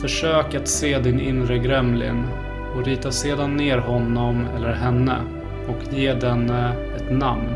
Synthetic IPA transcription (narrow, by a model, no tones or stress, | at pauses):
fœʂøːkat̪seːd̪ɪnɪ̰nɾəɡɾɛmlɪ̰n | ɔɾiːt̪aseːd̪anːeːɾɦɔnːɔmɛ̰lːəɾɦɛnːə̰ | ɔkʰjeːd̪ɛnːə | ɛt̪namn